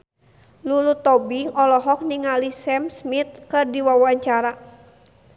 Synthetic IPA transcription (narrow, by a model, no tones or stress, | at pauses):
lulut̪ɔbiŋɔlɔɦɔk̚niŋalisɛmsmit̪̚kɨrdiwawaɲt͡ʃaɾa